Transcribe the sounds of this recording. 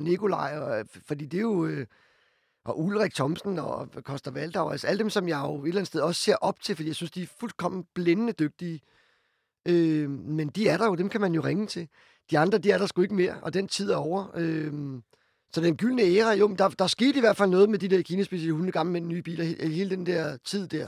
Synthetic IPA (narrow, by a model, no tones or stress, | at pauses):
nekʰo̝lɑ̈ɪ̰ɒfɒ̽d̥ḭːd̥e̝jo̝ | ʔɒ̽ʔulʁɛɡ̥̚t͡sʰɒ̽msn̩ɒkʰɒ̽sd̥ɐʋæld̥ɑ̈ʊælsæld̥emsɒ̽mjɑ̈ɪo̝e̝dlæn̩sd̥eð̞ˠɒ̽sse̝ɐ̰ʔɒ̽b̥̚t͡sʰe̝lfd̥ḭːjɑ̈synsd̥iæɐfulkʰɒ̽m̰nb̥lenənəd̥øɡ̥̚d̥i | ʔømend̥iæɐɾɑ̈jo̝d̥emkʰæmænjo̝ʁeŋət͡sʰe̝ | d̥iɑ̈nd̥ʁɐd̥iæɐɾɑ̈sɡ̥ue̝ɡ̥əme̝ɐ̰ɒ̽d̥ent͡sʰið̞̰ˠæɐɒʊ̰ɐøm | sɒ̽d̥enɡ̥yl̰nəeːʁɐjo̝mend̥ɑ̈d̥ɑ̈sɡ̥e̝̰ːd̥iʋæɐd̥fæl̰nɔ̽ːð̞̩ˠmed̥id̥eɐ̰kʰiːnæsb̥iːselhunð̩ɡ̥ɑ̈ml̩med̥enːyːb̥ḭːlɐhe̝ːləd̥end̥ɛɐ̰t͡sʰið̰ˠd̥æɐ̰